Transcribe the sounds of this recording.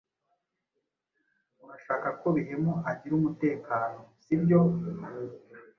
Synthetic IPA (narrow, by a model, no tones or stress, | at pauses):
uɾaʃaːkako̞βiɦemoaɟiɾumute̞ːkaːno̞sibjo̞